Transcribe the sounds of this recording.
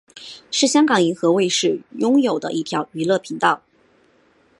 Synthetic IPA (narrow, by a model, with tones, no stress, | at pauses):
ʂɻ̩˥˩ɕjɑ˥ŋkɑ˨˩ŋi˧˥xɤ˧˥we˥˧ɪʂɻ̩˥˩jʊ˥ŋjo˨˩ʊd̪ə̰˦ʔi˥˩t̪ʰjɑ˧˥ʊy˧˥lɤ˥˩pʰi˧˥ŋt̪ɑ˥˩ʊ